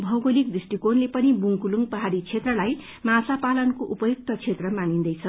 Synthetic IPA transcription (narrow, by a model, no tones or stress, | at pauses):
bʱʌwɡolik̚d̪isʈikonlepʌnibuŋkuluŋɡpʌɦaɾit͡sʰet̪rʌlaj | mãsapalʌnkoʔupʌjuk̚t̪ʌt͡sʰet̪rʌmanind̪ʌjt͡sʰʌ